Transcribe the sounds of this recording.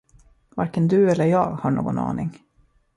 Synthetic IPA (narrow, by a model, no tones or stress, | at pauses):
vaɾkənd̪ɵɛlːəɾjɑːɡhaɳo̰ːɡɔnɑ̰ːnɪŋ